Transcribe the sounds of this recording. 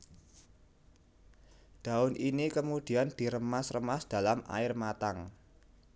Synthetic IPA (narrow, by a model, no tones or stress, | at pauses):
d̪̥a̤ʊnʔinikəmud̪̥i̤and̪̥i̤ɾəmasrəmasd̪̥a̤lamʔa̰ɪrmat̪aŋ